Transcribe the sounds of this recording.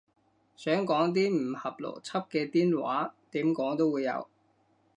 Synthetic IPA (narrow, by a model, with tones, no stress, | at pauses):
sœː˨˥ŋkɔː˨˥ŋt̪iː˥m̩˨˩hɐ˨p̚lɔ̰ː˨˩t͡sʰɐ˥p̚kɛː˧t̪iː˥nwa̰ː˨˥t̪iː˨˥mkɔː˨˥ŋt̪o˥wuː˨˧jːɐ̰˨˧w